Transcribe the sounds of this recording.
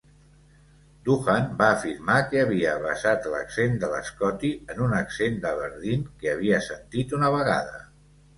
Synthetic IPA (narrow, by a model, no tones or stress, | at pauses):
d̪uɣanbaːfiɾmakəəβiəβə̰zat̪lə̰ksend̪ələ̰skɔt̪iənunəksend̪əβəɾðinkəːβ̞iəsənt̪it̪unəβəɣa̰ðə